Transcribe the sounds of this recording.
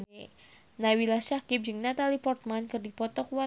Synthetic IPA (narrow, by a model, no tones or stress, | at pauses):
nawilasakip̚d͡ʒɨŋnat̪alipɔrt̪̚mankɨrdipɔt̪ɔkuwa